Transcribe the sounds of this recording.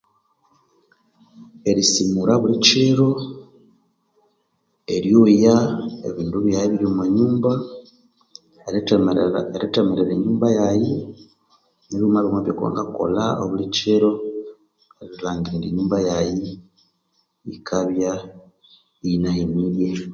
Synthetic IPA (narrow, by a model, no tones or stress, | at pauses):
e̞ɾisimuɾaβuliceɾo̞ | e̞ɾjojaḛβiːnduβjajiβiɾomaɲuːmba | eɾetemeɾeɾeɲuːmbajaji | neβjomaβomaβjoko̰ŋɡako̞̰laooβuliceɾo̞ | eɾiɾilaːŋɡiɾiːndiɲuːmbajaji | ikʰaβja | inaimiɾje